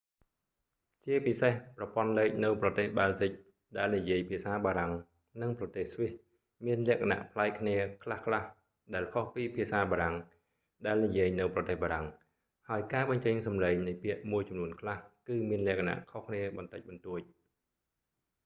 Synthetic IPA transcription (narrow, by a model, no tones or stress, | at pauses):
t͡ɕiəpisehprɑpŏənleːk̚nɨwprɑt̪eːhɓaːzic̚ | ɗaɛlnijiəjpʰiəsaːɓaːɾaŋ | nɨŋprɑt̪eːhsʋih | miənlɛ̆əʔkʰana̰ʔpʰlaɛk̚kʰːniəkʰlahkʰlah | ɗaɛlkʰohpiːpʰiəsaːɓaːɾaŋ | ɗaɛlnijiəjnɨwprɑt̪eːhɓaːɾaŋ | haəjkaːɓɑɲt͡ɕəɲsɑmleːŋnɨjpiəʔmuəjt͡ɕɑmnuənkʰlahkɨːmiənlɛ̆əʔkʰana̰ʔkʰohkʰniəɓɑnt̪ɨc̚ɓɑnt̪uəc̚